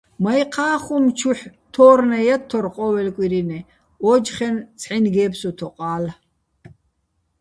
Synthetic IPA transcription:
majqʰaːχumt͡ʃʰuħt̪ʰɔːɾnɛjat̪ʰːɔɾqʼɔwɛlkʼiɾinɛ | ɔd͡ʒχɛnt͡sʰħinɡɛːpsɔt̪ʰɔqʼaːl

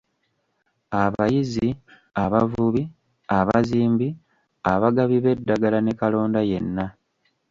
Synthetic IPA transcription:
aβajizi | aβavuβi | aβaziːmbi | aβaɡaβiβe̞dːaɡalane̞kalo̞ːndaje̞nːa

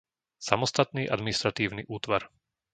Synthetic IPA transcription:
samɔst̪at̪niːʔa̰d̪minist̪ɾat̪iːʊniʔuːt̪ʋaɾ

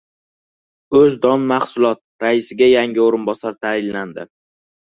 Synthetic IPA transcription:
ɵzd̪ɒnmaχsʊlˠɒt̪̚ɾaɪsɪɡʲajaŋʲɪoɾɪnbɒsaɾt̪ʰaɪnland̪ɪ

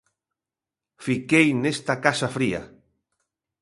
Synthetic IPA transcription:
fikejnest̪akaʃafɾia̰

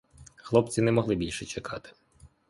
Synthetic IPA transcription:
xlˠɔpt͡sʲinɛmɔɦlˠɪbʲilʲʃɛt͡ʃekʰɑt̪ɪ̥

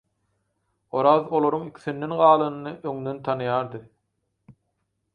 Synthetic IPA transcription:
o̞ɾɑðo̞lˠoɾuŋikʲʰi̥θind̪e̞nɢɑːlˠɯnɯnɯʔøŋd̪ø̞nt̪ʰɑnɯjɑːɾd̪ɯ

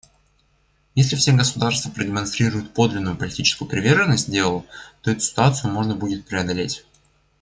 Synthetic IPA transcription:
jesʲlʲɪfsʲeɡəsʊd̪arst̪vəpɾədʲɪmɐnst̪ɾʲiɾʊjʊt̪̚po̞d̪lʲɪnːʊjʊpəlʲɪtʲit͡ɕɪ̥skʊjʊpɾʲɪvʲerʐɨnːəsʲt̚ʲdʲe̞lˠəlˠət̪o̞ɛt̪ʊ̥sʲɪ̥t̪ʊat̪sɨjʊmo̞ʐnəbudʲɪt̪̚pɾʲɪɐd̪ɐlʲetʲ

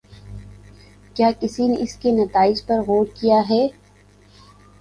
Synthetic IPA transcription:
kjaːkɪsineʔɪskenɐt̪aːɪd͡ʒpɐɾɣoːɽkijaɦɛː

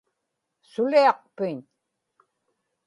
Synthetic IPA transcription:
sʊliɑq̚pɪɲ

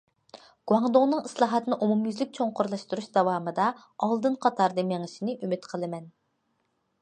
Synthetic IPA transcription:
ɡ̥uwɑŋd̪oŋnɨŋislˠɑːɦɑt̪ʰɨnɨʔumumjyzlɪk̚ʲt͡ʃʰoŋqʊɾlˠɑʃt̪uɾuʃd̪ɑwɑːmɨd̪ɑ | ɑlˠd̪ɨnqʰɑt̪ʰɑɾd̪ɨmeŋɪʃinɪʔymyt̪qʰəlˠɨmɛn

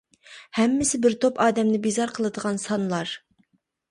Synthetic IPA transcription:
hɛmːɪsɪbɪɾt̪ʰopɑːd̪ɛmnɪbizɑɾqʰəlˠɨd̪əʁɑnsɑnlˠɑɾ

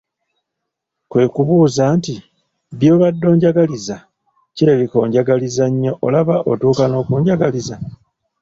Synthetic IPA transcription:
kwe̞ːkuβuːzaːnti | bjo̞ːβadːo̞ːɲɟaɡaliza | ciɾeβiko̞ːɲɟaɡalizaɲːo̞ʔo̰laβaʔo̰tuːkano̞ːkuːɲɟaɡaliza

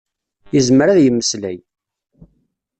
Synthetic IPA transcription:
jəzməɾaðjəmːəslæ̰j

